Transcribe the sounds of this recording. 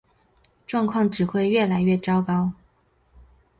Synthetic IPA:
ʈ͡ʂwɑ˥˧ŋkʰwɑ˥˩ŋʈ͡ʂɻ̩˨˩xwe˥˧ɪɥɛ˥˩la˧˥ɪɥɛ˥˩ʈ͡ʂɑ˥ʊkɑ˥ʊ

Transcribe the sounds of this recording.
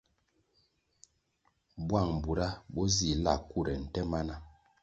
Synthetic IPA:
bwa˦˨ŋ̩˨bu˨ɾa˦bɔ˦zi˨la˦˨ku˦˨ɾɛ˨n̩˨tɛ˦ma˦na˦

